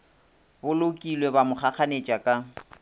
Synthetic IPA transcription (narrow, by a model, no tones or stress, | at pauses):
bʊlokʼilwebamʊχʰaχanet͡ʃʼakʼa